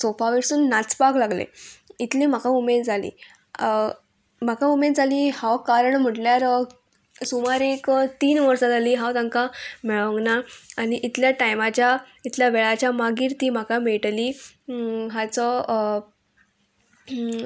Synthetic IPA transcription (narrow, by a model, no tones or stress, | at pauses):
sopaʋiɾsuːnːat͡spaklaɡlḛit̪lim̤akaumed̪d͡zʱalḭː | m̤akaumed͡zaliːhawkaɾəɳm̤əʈljaɾ | sumaɾekt̪iːnʋəɾsat̪aliːɦãwt̪ãŋkamɛɭə̃ŋɡnaːniʔit̪ljaʈajmat͡ɕja | it̪ljaʋeɭat͡ɕjamaɡiːɾt̪iːm̤akameʈliː | ɦat͡sɔ